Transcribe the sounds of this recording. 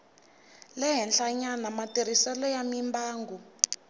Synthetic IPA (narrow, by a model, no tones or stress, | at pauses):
lɛɦɛnɬaɲanamatir̤isɛlɔjamimbaːŋɡu